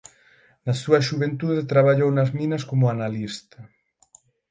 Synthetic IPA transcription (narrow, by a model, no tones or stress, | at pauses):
nɐsuɐʃuβent̪uðet̪ɾaβaʎownɐzminɐskomʊanalist̪ɐ